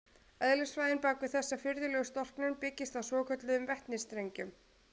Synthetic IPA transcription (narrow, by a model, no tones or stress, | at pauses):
œðlɪsfvajðɪnpaːkvʏθɛsːafɪɾðɪlɛɣʏst̪ɔr̥knʏnpɪcːɪst̪awsvɔːkʰœt̪lʏðʏmvɛht̪nɪst̪ɾejɲcʏm